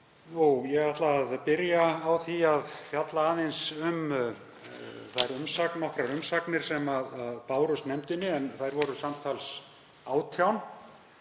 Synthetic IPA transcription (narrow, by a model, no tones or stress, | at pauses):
jujɛɣaht̪laːðpɪɾjaːwθiaðfjat̪laaːðɪnsʏm | θajɾʏmsaknːɔhkɾaɾʏmsaknɪɾ̥sɛmaðaðpaːwɾʏst̪nɛmt̪ɪnːɪɛnθajɾvɔɾʏsamt̪ʰals | aːwt̪ʰjawn